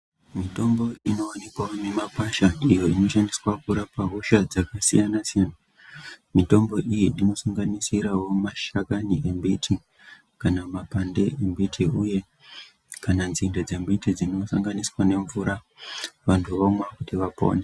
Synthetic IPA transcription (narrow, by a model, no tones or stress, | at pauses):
mito̞mbo̞ino̞ːne̞kwaomemakaʃaijo̞ino̞ʃandiswakuɾapaɦoʃad͡zakasijanasijana | mito̞mbo̞ʔijiino̞suŋɡanisiɾawo̞maʃakaniʔembitʰi | kanamapande̞ʔembitʰiuje̞ | kananzindad͡ze̞mbitid͡zino̞saŋɡaniswane̞ɱvuɾa | ʋantʰuʋomwakutiʋapo̰nde